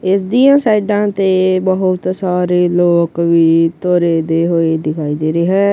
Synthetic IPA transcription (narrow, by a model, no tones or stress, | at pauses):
ɪsd̪iãsaːɪɖãt̪ebəɦʊt̪saːɾeloːkbʱit̪oːɾed̪eɦoed̪ɪkʰaːid̪eɾeɦɛ̃ː